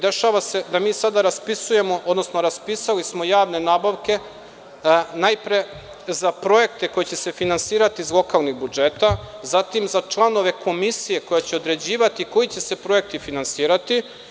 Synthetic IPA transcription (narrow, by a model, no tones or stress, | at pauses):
d̪e̞ʃaːʋase̞d̪amiːsad̪aɾaspisuje̞mo̞ʔo̞d̪no̞sno̞ɾaspisalismo̞jaːʋne̞naːbaʋke̞ | najpɾe̞ | zapɾo̞e̞k̚t̪e̞ko̞jet͡ɕe̞sefinansiːɾat̪iːzlˠo̞kalˠniɣbud͡ʒe̞t̪azat̪imzat͡ʃlˠano̞ʋe̞kʰo̞misije̞ko̞jat͡ɕeo̞d̪ɾe̞d͡ʑiːʋat̪iko̞jit͡ɕe̞se̞pɾo̞e̞k̚t̪ifinansiːɾat̪i